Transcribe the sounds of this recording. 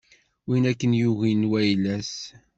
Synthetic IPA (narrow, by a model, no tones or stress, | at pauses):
winækːənjuɣinwæjlæs